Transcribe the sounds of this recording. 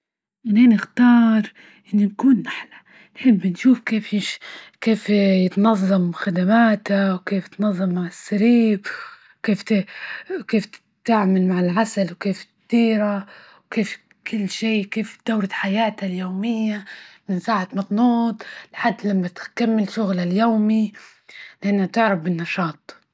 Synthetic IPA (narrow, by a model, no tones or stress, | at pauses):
mɪnhanɪxt̪ɑːɾˤ | ʔɪnːʊnkuːnːaħlḁ | nħɪbːnʃuːfkeːfjɪʃkeːfjɪt̪nɑðˤːɑmxad̪amaːt̪awkeːfjɪt̪nɑðˤːɑmːaʕɪsːaɾiːb | keːft̪ɪkeːf | t̪aʕmalmaʕɪlʕasalwkeːf | d̪̥iːɾa | wkeːf | kʰɪlːʃiːkeːfd̪̥awɾaħajaːt̪aljoːmɪjːamɪnsaːʕat̪mɑt̪nuːd̪ˤlħad̪ːlamːat̪kamːɪlʃʊɣlaljoːmi | lɪʔanːhat̪ɪʕɾˤɑbːɪnːɑʃɑːt̪ˤ